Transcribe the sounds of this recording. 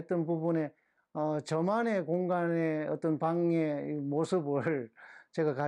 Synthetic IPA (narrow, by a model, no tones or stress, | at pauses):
et͈ʌnpubune̞ | ʌt͡ɕʌmane̞koŋɡaneʌt͈ʌnpaŋeimosʰɯbɯɭt͡ɕe̞ɡaka